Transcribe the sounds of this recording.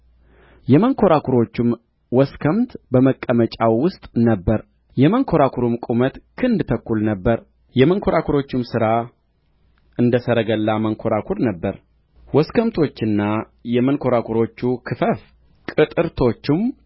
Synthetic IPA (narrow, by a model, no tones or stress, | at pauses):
jɛməŋkʰo̞ɾakʰuɾo̞t͡ʃːɪm | wɔskʰəmt̪bəməkʼːəmət͡ʃʼawwʊst̪ʼnəbːəɾ | jɛməŋkʰo̞ɾakʰuɾɨmkʷʼumət̪kʰɨnd̪t̪ʰəkːulnəbːəɾ | jɛməŋkʰo̞ɾakʰuɾo̞t͡ʃːɪmsɨɾa | ʔɨnd̪əsəɾəɡəlːaməŋkʰo̞ɾakʰuɾnəbːəɾ | wɔskʰəmt̪ʰo̞t͡ʃːɪnːa | jɛmənkʰo̞ɾakʰuɾo̞t͡ʃːukʰɨfəf | kʼɨt̪ʼɨɾt̪ʰo̞t͡ʃːɪm